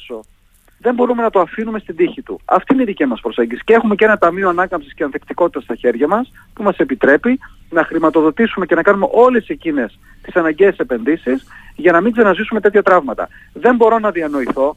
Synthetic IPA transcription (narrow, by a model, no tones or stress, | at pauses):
so̞ | ðe̞mbo̞ɾume̞nɐt̪o̞ɐfinume̞st̪ind̪içit̪ṵɐ̰ft̪iineiðicimɐspɾo̞se̞ɲɟisi̥ce̞xume̞ce̞nɐt̪ɐmioɐnɐkɐmpsisceɐnθekt̪iko̞t̪it̪ɐst̪ɐçe̞ɾʝɐmɐs | pumɐse̞pit̪ɾe̞pi | nɐxɾimɐt̪oðo̞t̪isume̞ce̞nɐkɐnume̞̰ʔo̞le̞secine̞s | t̪i̥sɐnɐɲɟeːsepe̞nðisisʝɐnɐmiŋɡzenɐzisume̞t̪e̞t̪çɐt̪ɾɐvmɐt̪ɐ̰ | ðe̞mbo̞ɾo̞nɐðiɐno̞iθo̞